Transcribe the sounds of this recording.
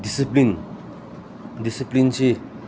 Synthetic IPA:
disiplin | d̪isiplint͡ʃʰi

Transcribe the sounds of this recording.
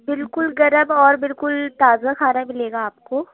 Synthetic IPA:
bɪlkʊlɡɐɾəmɔːɾbɪlkʊlt̪aːzakʰaːnamɪleːɡaːpkoː

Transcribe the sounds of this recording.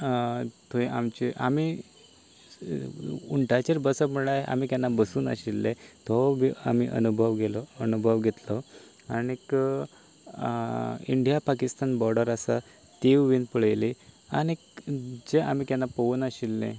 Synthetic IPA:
t̪ʰoiʔamt͡ɕiʔami | uɳʈat͡ɕeɾbəsəpməɭajeʔa̰miːkjanːabəsuːna̰ɕilːet̪ɔbia̰miʔə̰nubʱəʋɡelɔənubʱəʋɡʱet̪lɔ | anik | iɳɖjapakist̪anbɔɾɖəɾasa̰ | t̪iʋʋiːnpəɭjlia̰ñikd͡ʑeʔamikjanːapəuːnaɕilːḛ̃

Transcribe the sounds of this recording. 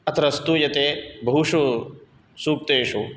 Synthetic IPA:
ɐt̪ʰɾɐst̪ujɐt̪eːbʱɐɦuʃu | suːk̚t̪eːʃu

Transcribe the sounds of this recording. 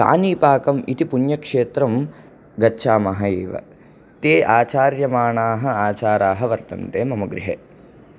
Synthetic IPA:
ka̰ːniːpaːkɐmit̪ipunjɐkʂeːt̪ɾɐm | ɡɐtːʃʰaːmɐɦɐeːʋɐ̰ | t̪eːʔaːt͡ʃaːɾjɐmaːɳaːɦɐ̆aːt͡ʃaːɾaːɦɐʋɐɾt̪ɐ̰nt̪eːmɐmɐɡɾḭɦḛː

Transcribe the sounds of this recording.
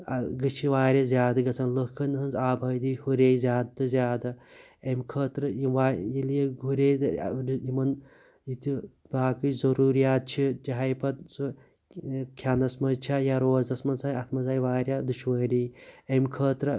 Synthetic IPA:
ɡɐt͡ʃʰiʋaːɾʲazʲjaːd̪ɐɡɐt͡sʰɐnlɐkʰɐnɦɨnzaːbʱɐːd̪ihuɾeːjzʲjaːd̪̚t̪ɨzjaːd̪ɐ | emkʰəːt̪ɾɨjiʋaːjilijeɡʱuɾeːd̪̰jimɐn | jit̪i | baːkɨt͡ʃzɐɾuːɾijaːt̪̚t͡ʃʰid͡ʒɐɦɐjpɐt̪su | kʲʰanɐsmɐzt͡ʃʰajaːɾoːzɐsmɐnsanɐt̪ʰmɐzaːjʋaːɾʲjaːd̪uʃʋɐːɾiːemkʰəːt̪ɾɐ

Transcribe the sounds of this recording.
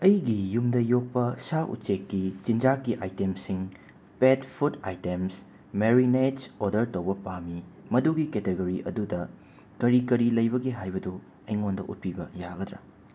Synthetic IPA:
ɐjɡijumdɐjok̚pɐsaʔṵtt͡ʃekːit͡ʃind͡ʒakːiʔajtemsiŋ | petpʰuta̰jtems | meɾined͡ʒodɐɾtowbɐpamimɐduɡiketeɡoɾiʔɐ̰dudɐ | kɐɾikɐɾilɐjbɐɡeɦajbɐdu | ɐjŋondɐʔṵt̚pibɐjaɡɐdɾɐ̰

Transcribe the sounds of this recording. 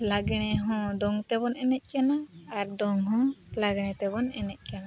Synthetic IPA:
laɡɽ̃ɛɦɔ̃d̪ɔŋt̪ɛbɔnɛnɛt̪̚ˀkanaːɾd̪ɔŋɦɔ̃laɡɽ̃ɛ̃t̪ɛbɔnɛnɛt̪̚ˀkana

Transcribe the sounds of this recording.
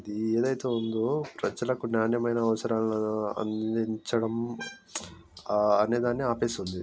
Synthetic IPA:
id̪ieːd̪ɐjt̪e̞ːund̪oːpɾɐd͡ʒɐlɐkunjaːnjɐmɐjnɐːɐʋɐsɐɾaːlɐ̰nd̪iɲt͡ʃɐɽɐm | ɐne̞ːd̪aːnːiaːpeːsund̪i

